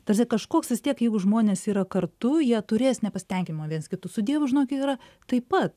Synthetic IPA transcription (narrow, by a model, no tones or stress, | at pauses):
t̪ɐrʲsʲɛkɐʃkoːksʋʲɪst̪ʲiɛkjɛɪɡʊʒmoːnʲeːsiːɾɐkɐrt̪ʊjiɛt̪ʊɾʲeːsnʲɛpɐsʲɪ̥t̪ʲɛŋʲkʲɪmʲɪmoːʋʲiɛnskʲɪt̪ʊsʊd̪ʲiɛʋʊʒʲɪnoːkʲɪiːɾɐ | t̪ɐɪpɐt̪